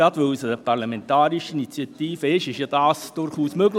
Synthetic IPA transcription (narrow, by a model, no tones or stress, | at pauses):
ɑdʋɵwsəpʰɑɾlɑmɛnt̪ɑːɾiʃinit͡sjɑt̪iːfəɪʃɪʃjɑd̥ɑːsd̥ʊɾχuːsmøɡl